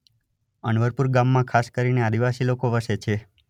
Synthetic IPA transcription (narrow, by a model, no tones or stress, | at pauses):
əɳʋəɾpuɾɡamːãkʰaskəɾinead̪iʋasilokoʋəʃet͡ʃʰe